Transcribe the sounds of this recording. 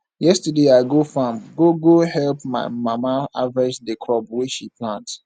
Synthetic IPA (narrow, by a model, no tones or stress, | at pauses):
jɛstədeaɪɡofãmɡoɡohɛlpma̰ɪmamaavɹɛd͡ʒdəkʰɹɔbwiʃipʰlãnt